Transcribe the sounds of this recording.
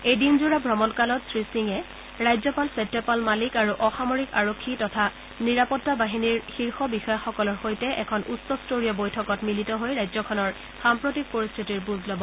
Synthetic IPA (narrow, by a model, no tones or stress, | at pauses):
ejdinzuɹabʱɹɔmɔnkalɔtsɹisiŋɛ | ɹajzɔpalsetːɔpalmalikaɹuʔɔxamoɹikaɹokʰːitɔtʰa | niɹapɔtːabaɦiniɹxiɹxɔbixɔjaxɔkɔlɔɹxojtɛʔɛ̰kʰɔnʔusɔstoɹiɔbojtʰɔkɔtmilitɔɦojɹajzɔkʰɔnɔɹ | xampɹotik̚poɹist̪ʰitiɹbuzlɔbɔ